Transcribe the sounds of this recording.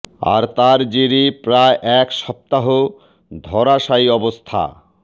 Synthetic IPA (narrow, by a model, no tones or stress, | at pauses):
a̰ɾt̪aɾd͡ʑiɾipɾaeʔɛkʃɔp̚t̪aɦo | d̪ʱɔɾaʃajɔbost̪ʰa̰